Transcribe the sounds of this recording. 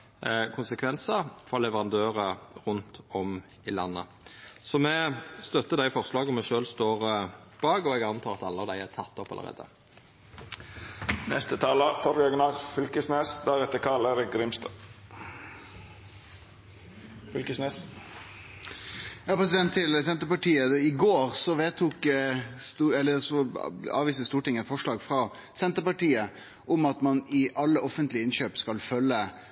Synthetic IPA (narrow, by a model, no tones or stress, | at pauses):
kʰʊnsəkʰʋɛnsəfɔlɛʋəʁɑnd̪øːʁəʁʉnt̪ɔm | ɪlɑnːə̰ | sɔmɛst̪œt̪ːəd̪æɪfɔʁslɑːɡɔmɛʃøːlst̪oːʁb̥ɑːɡɔɛɡɑnt̪ʰɑːɾɑt̪ɑlːəɑʋd̪æɪæʁt̪ʰɑt̪ːɔpːɑlʔə̰ʁḛːd̪ə̰ | nɛ̰st̪ət̪ʰɑːlət̪ʰɔɾɡœɡənɑɡfʏlkəsneːsd̪æɾɛt̪ːəkʰɑləɾɪɡɾɪmst̪ʰə | fʏlkəsneːs | jɑːpɾɛs̬ɪd̪ɛnt̪ʰːɪlsɛnt̪əpɑʈiːəɪɡoːɾsɔʋeːt̪ʰuːkst̪uɛlːəsɔɑ̰ːʋiːst̪əst̪uːʈɪŋːɛt̪fɔʂɭɑːɡfɾɑ | sɛnt̪əɾpɑʈiːə | ʔɔmɑt̪mɑnɪʔɑlːəɔfənt̪lɪəɪnɕøːpskɑlfœlːə